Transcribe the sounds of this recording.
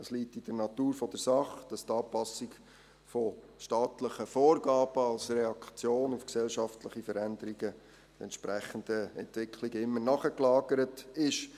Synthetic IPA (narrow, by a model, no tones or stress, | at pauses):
dɑsliːtːid̥əɾnɑtuːɾfɔd̥əɾsɑχd̥ɑst̪ɑːpɑsɪɡ | fɔ | ʃtɑːtləχəfoːɾɡɑːb̥əɑlsrɛɑkt͡sjoːnufksɛlʃɑftləχifəɾændəɾiɡə | dɛ̰nʃpɾæχəndəɛntvɪkʰliɡəɪmːənɑχəklɑːɡəɾətɪʃ